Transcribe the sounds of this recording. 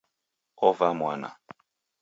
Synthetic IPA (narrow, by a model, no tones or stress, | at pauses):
ɔvamwana̰